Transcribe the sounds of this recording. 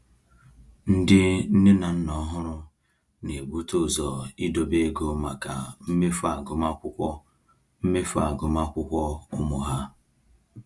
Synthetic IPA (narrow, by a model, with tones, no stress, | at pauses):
n̩˦dɪ˦n̩˦nɪ˦na˨n̩˦nɔ˦ɦʊ˦ɾʊ˦ | ne˨ɡ͡bu˦to˦˨zɔ˨i˦do˨be˦ɡo˦ma˨ka̰˨m̩˦me˦fa˦˨ɡʊ˨ma˦kʷʊ˦ɔ˦ | m̩˦me˦fa̰˦˨ɡʊ˨ma˦kʷʊ˦kʷɔ˦ʊ˦mʊ˨ɦa˦